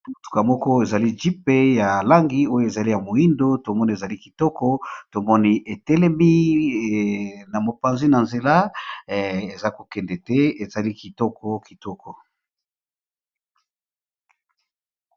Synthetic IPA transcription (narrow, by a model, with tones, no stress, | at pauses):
mo˨tu̥˨ka˨mɔ˦kɔ˦e˨za˨li˦d͡ʒi˦pe˦ja˨la˦ŋɡi˨˦o˦jo˨e˨za˨li˦ja˨mo˨i˦ndo˦to˨mɔ˦ni˦e˨za˨li˦ki˨tɔ˦kɔ˦to˨mɔ˦ni˦ʔe˨tɛ˦lɛ˦mi˦ | na˨mo˨pa˨nzi˦na˨nze˨la˦˨ | e˨za˦ko̥˨kɛ˨ndɛ˨tɛ˦e˨za˨li˦ki˨tɔ˦kʰɔ˦ki˨tɔ˦kʰɔ˨